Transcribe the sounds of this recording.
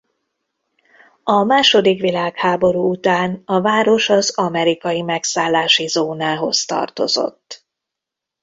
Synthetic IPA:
ɒmaːʃo̞d̪ikʋilaːkhaːbo̞ɾuːut̪aːnɒvaːɾo̞ʃɒzɒmɛɾikɒjimɛksaːlːaːʃizoːnaːɦo̞̰zt̪ɒ̰rt̪o̰zo̞̰t̪ː

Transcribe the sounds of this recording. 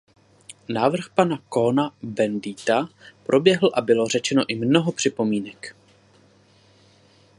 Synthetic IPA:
naːvr̩xpanakonabɛndiːt̪apɾo̞bjɛɦl̩ʔabɪlo̞rɛt͡ʃɛno̞ʔɪmno̞ɦo̞pr̝̥ɪpo̞miːnɛk

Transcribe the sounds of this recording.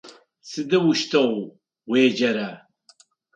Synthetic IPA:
sɨd̪ɨwuʃt̪ʰɐw | weːd͡ʒɐɾɐ

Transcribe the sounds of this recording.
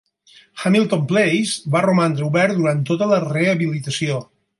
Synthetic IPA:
xamilˠt̪omplejzβarumand̪ɾəuβɛɾd̪uɾant̪ːot̪ələreəβilit̪əsio

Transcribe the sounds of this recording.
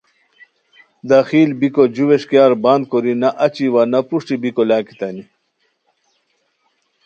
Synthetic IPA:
d̪axiːlbikod͡ʑuweʂkijaːɾbaːnd̪koɾinɐʔɐt͡ɕiwanɐpuʂʈibikolaːki̥t̪ɐni

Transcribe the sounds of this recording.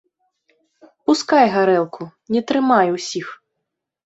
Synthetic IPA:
puskajɣaɾɛlˠkʰunʲɛt̪ɾɨmajuwsʲix

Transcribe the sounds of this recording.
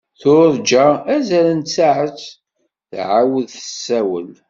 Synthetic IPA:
θʊɾd͡ʒaæzæɾænt͡sːaʕət͡sː | θʕawəðθəsːæwə̰l

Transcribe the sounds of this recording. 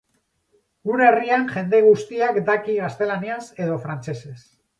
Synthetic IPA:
ɡunerianʝe̞nd̪e̞ɣ̞ust̪iakd̪akiɣast̪e̞laniase̞ð̞o̞fɾant͡se̞se̞s

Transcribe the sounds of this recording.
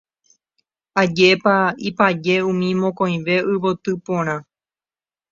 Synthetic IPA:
ad͡ʒepaipad͡ʒe̞ũmĩmõkõj̃ʋe̞ʔɨβot̪ɨpõɾ̃ã

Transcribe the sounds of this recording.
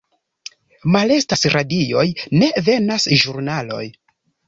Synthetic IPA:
male̞stasɾadio̞jne̞ve̞nasʒuɾnalo̞̰j

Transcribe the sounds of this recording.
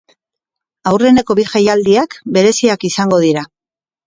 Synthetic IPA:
awre̞ne̞ko̞βiʝajald̪iakbe̞ɾe̞siakisaŋɡo̞ð̞iɾa

